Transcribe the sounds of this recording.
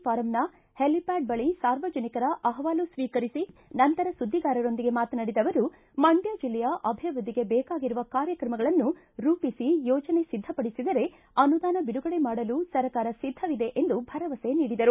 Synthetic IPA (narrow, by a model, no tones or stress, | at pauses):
paːɾɐmna | helipaːɖ̚bɐɭisaːɾʋɐd͡ʒɐnikɐɾɐʔɐɦɐʋaːlusʋiːkɐɾisinɐnt̪ɐɾɐsud̪ʱːiɡaːɾɐɾo̞nd̪iɡe̞maːt̪ɐnɐɽid̪ɐʋɐɾu | mɐɳɖjad͡ʒilːɛjɐʔɐbʱiɐʋɾud̪ʱːiɡe̞bɛːkaːɡiɾuʋɐkaːɾjɐkɾɐmɐɡɐɭɐnːu | ɾuːpisijɔːd͡ʒɐne̞sid̪ʱːɐpɐɽisid̪ɐɾe̞ | ɐnud̪aːnɐbiɽuɡɐɽe̞maːɽɐlusɐɾɐkaːɾɐsid̪ʱːɐʋid̪e̞ʔend̪ubʱɐɾɐʋɐse̞niːɽid̪ɐɾu